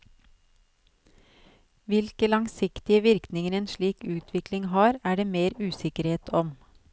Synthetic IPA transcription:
ʋɪlkəlɑŋsɪkt̪ɪəʋɪɾknɪŋəɾeːnʃɭiːkʉːt̪ʰʋɪklɪŋhɑːɾæːɖeːmeːɾʉːsɪkəɾheːt̪ʰɔm

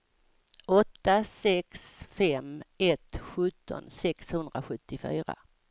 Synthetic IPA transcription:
ɔt̪ːasɛksfɛmɛt̪ɧɵt̪ːɔ̰nsɛkshɵnd̪ɾaɧɵt̪ːɪfy̰ːɾa̰

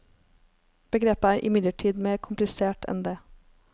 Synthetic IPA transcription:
b̥əɡɾeːpəæːɾʔɪ̰mɪd̪ləʈʰiːd̪meːɾkʰʊmplɪseːʈʰɛ̰nd̪eː

